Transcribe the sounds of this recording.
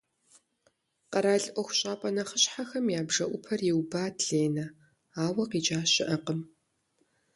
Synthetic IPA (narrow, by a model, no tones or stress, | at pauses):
qɐɾaːɮʼʔʷɔxʷʊɕʼaːpʼɐnɐχəɕħaxɐmjaːbʐɐʔʷʊpʰɐrjɪwbaːtɮeːnɐ | aːwɐqiːt͡ʃʼaːɕɪʔɐqəm